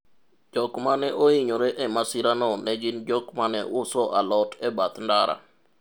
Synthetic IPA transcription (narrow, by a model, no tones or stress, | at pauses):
d͡ʒɔkmanɛʔoiɲoɾɛʔɛmasɪɾanɔnɛd͡ʒɪnd͡ʒɔkmanɛ̰ʔʊsɔʔalɔtɛbat̪ndaɾa̰